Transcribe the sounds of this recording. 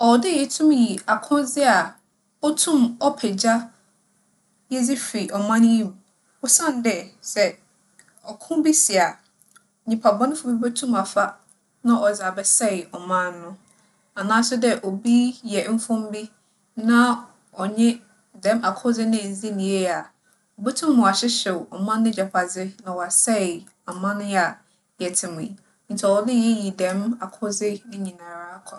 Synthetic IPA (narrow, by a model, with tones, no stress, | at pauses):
ɔ˨dɪ˦jɛ˨tʰũ˦mji˨a˨kʰʊ̃˦zɪ˦a˨ | ɔ˦tʰũ˦mɔ˦pʰɛ˨d͡ʑa˦ | jɛ˦d͡zi˦fi˨ʔɔ˨mã˦ñ˦jĩ˦˨m | ʊ˦sã˦˨n˦dɛ˨sɛ˨ | ɔ˨kʰʊ̃˦bi˦sɪ˨a˨ | ɲĩ˨pʰa˨bɔ̃˦nʊ̃˦fʊ˨bi˦bɛ˦tʰũ˦ma˨fa˦ | nã˦ʔɔ˨za˨bɛ˨sɛ˦˨ɪ˨ɔ˨mã˦nːʊ̃˦ | a˨nãː˦sʊ˦dɛ˦ʔo˨bi˦jɛ˨˦m̩˦fʊ̃˦m˦bi˦ | nã˦ | ɔ˨ɲɛ̃˦ | dɛ̃˦ma˨kʰʊ˦zɪ˦nɪ̃˦˨n˨zi˦nĩ˨je˦a˨ | ɔ˨bo˦tʰũ˦mːʊ̃˨a˨ɕɪ˦ɕɛ˨wɔ˨mã˦nːɪ̃˦d͡ʑɛ˨pʰa˨d͡zɪ˦nã˨wɔ˨a˨sɛ˦ɪ˨ | a˨mã˦nʊ̃˦ja˨ | jɛ˨tʰɪ̃˨mʊ̃˨i˨ | n̩˨t͡ɕʰɛ˨wɔ˨lɪ˦jɛ˦ji˨dɛ̃˨˦ma˨kʰʊ˦zɪ˦nɪ̃˦ɲĩ˨nãː˨ɾaː˦kʰɔ˨